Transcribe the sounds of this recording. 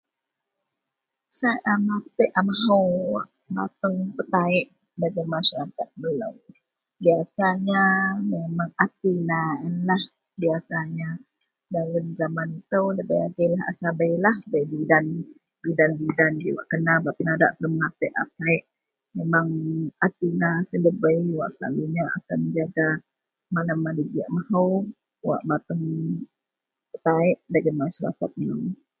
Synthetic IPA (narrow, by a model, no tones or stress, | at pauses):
saʔamat̪əʔamaɦəwaʔ | bat̪əŋpət̪aɪʔ | daɡəmaʃaɾakat̪̚bələw | biasaɲamemaŋat̪inaənlah | biasaɲa | dalənzamanit̪əwdabajaɡəlaɦa̰sabəjlahbajbidan | bidanbidand͡ʒiwa̰ʔkənabat̪ənadaʔt̪ləmlat̪əʔapaɪʔ | memaŋat̪inasələbəjwaʔsəla̰luɲaa̰kanəd͡ʒaɡa | manamːadiɡiaʔmahəw | wa̰ʔbat̪əŋ | ət̪aɪʔdaɡənmaʃaɾa̰kat̪̚nəŋ